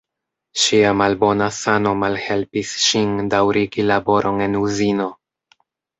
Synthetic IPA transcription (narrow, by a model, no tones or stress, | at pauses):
ʃiamalbo̞nasano̞malhe̞lpisʃindawɾiɡilabo̞ɾʔo̞ne̞nuzino̞